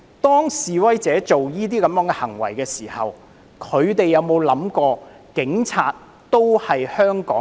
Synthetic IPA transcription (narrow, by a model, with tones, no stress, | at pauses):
t̪ɔː˥ŋsiː˨wɐ˥jt͡sɛː˨˥t͡so˨wjiː˥t̪iː˥kɐ˨˧mjœ˨˥ŋkɛː˧hɐ˨˩ŋwɐ̰˨˩jkɛː˧siː˨˩hɐ̰˨w | kʰɵ˨˧ɥt̪e˨jːɐ˨˧wmo˨˧wlɐ˨˥mkɔː˧ | kɪ˨˥ŋt͡sʰaː˧t̚ | t̪o˥whɐ˨jhœː˥ŋkɔ̰ː˨˥